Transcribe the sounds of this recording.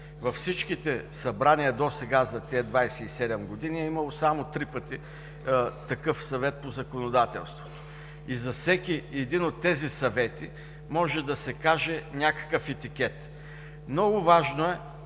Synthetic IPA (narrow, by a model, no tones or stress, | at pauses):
vɐfsit͡ʃkit̪ɛsɐbɾaniɐd̪osɛɡazɐt̪ʲɛd̪vajsɛisɛd̪ɛmɡod̪iniɛimɐlˠosamot̪ɾipət̪i | t̪ɐkɤfsɐvɛt̪̚pozɐkonod̪at̪ɛ̰lˠst̪vot̪o | izɐfsɛkʲiɛd̪inot̪ːɛzisɐvɛt̪i | mɔʒɛd̪ɐsɛkaʒɛnʲakə̥kəfɛt̪ik̟ɛt̪ | mnɔɡʊvaʒnoɛ